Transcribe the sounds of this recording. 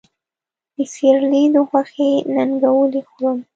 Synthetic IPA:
d̪əsiɾlid̪əxwaxenaŋɡawəlexɽəm

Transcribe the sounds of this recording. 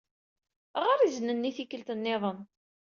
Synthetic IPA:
ʁaɾizənənːiθikəlt̪ənːɪðˤən

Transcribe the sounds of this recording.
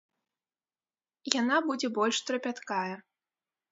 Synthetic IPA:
janabud͡zʲɛbɔlʲʂt̪ɾɐpʲat̪kajɛ

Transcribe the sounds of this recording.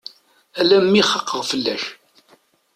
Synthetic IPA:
ælæmːiχəqːəʁfəlːæʃ

